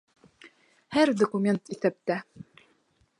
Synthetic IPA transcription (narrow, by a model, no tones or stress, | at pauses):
hæɾd̪okumʲe̞nt̪iθæp̚t̪æ